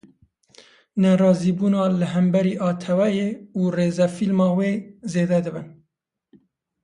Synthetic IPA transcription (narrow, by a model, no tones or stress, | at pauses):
nɛɾɑːziːbuːnɑːlɨɦæmbɛɾiːʔɑːt̪ʰɛwɛjeːuːreːzɛfilmɑːweːzeːd̪ɛd̪ɨbɨn